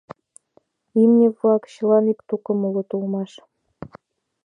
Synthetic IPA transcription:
imnʲevuɑkɕilɑnipt̪ukɤ̆mulɤ̆t̪ulmɑʃ

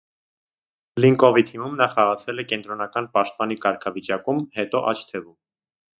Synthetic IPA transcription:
liŋkɔvit̪ʰimumnɑχɑʁɑt͡sʰɛlɛkɛnt̪ɾɔnɑkɑnpɑʃt̪̚pɑnikɑɾkʰɑvit͡ʃɑkumhɛt̪ɔʔɑt͡ʃʰt̪ʰɛvum

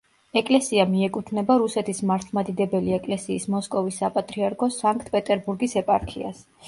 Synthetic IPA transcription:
ɛkʼlɛsiamiɛkʼut̪ʰnɛbaɾusɛt̪ʰismaɾt̪ʰlˠmad̪id̪ɛbɛliɛkʼlɛsiːsmɔskʼɔvisːapʼat̪ʼɾiaɾkʰɔsaŋk̚ʼt̪ʰpʼɛt̪ʼɛɾbuɾɡisɛpʼaɾkʰḭa̰s

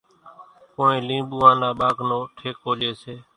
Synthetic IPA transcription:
koːẽːlĩːɓuːãːnaːɓaːknõːʈʰeːkoːɗeːseː

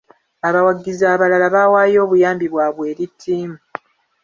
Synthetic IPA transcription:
aβawaɡːizaːβalalaβawaːjo̞ːβujaːmbiβwaːβwe̞ːɾitʰːiːmu

